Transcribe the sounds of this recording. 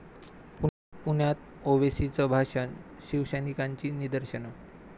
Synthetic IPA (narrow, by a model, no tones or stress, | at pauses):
pu | puɳjat̪ | oʋesit͡sɔbʱaʂən | ɕiʋsenikaɲt͡ɕiːnid̪əɾɕənə